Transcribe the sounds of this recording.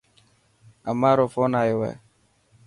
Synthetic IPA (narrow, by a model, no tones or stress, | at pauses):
amaɾʊfɔnajɪwɛ̰